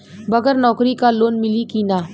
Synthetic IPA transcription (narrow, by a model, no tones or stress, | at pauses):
bɐɡəɾnɔːkɾikaloːnmɪlikiːnaː